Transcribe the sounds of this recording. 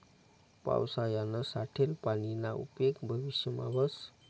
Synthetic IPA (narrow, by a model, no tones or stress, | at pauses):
pa̰wsajanəsaʈʰelpanilaṵpjekbʱəʋisjəma̰bəs